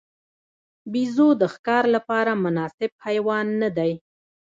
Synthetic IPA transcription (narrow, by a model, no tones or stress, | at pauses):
bizod̪əxkɑɾlapɑɾamʊnɑsɪb̚pajwɑnːad̪aj